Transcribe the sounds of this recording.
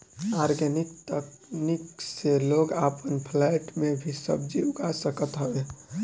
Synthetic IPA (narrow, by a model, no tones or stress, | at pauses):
aɾɡənikt̪ə | nikseloɡapənpʰlɛjʈmebʱisə̰bd͡ʒiuɡasəkət̪ɦəb